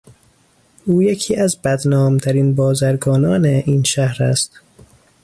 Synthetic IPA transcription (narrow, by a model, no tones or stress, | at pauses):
ʔuːjecʰiːʔæzbæd̪nɒːmt̪ʰæɾiːnbɒːzæɾɡɒːnɒːneʔiːnʃæhɾæ̰st̪